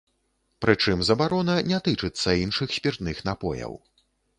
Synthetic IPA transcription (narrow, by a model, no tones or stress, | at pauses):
pɾɨt͡ʂɨmzɐbaɾɔnɐnʲɛt̪ɨt͡ʂɨt̪sːɐinʂɨxsʲpʲirt̪nɨxn̪apɔjɐ̰w